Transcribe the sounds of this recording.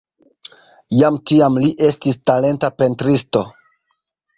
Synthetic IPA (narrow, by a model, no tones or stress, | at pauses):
jamt͡ʃiamliʔe̞stistale̞ntape̞ntɾisto̞